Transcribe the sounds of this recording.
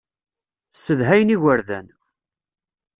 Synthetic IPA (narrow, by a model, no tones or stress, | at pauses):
səðɦæjəniʝəɾðæ̰n